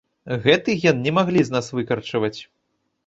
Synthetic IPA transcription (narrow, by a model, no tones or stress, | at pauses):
ɣɛt̪ɨɣʲɛnnʲɛmaɣlʲiznasvɨkɐrt͡ʂɐvɐt͡sʲ